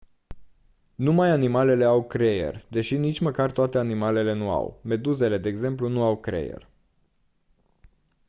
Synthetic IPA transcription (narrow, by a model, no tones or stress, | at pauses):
numajanimale̞le̞awkɾe̞je̞̰rʲd̪e̞ʃinit͡ʃʲməkart̪oat̪e̞animale̞le̞nua̰wme̞d̪uze̞le̞d̪e̞ːɡze̞mplunuawkɾḛjḛrʲ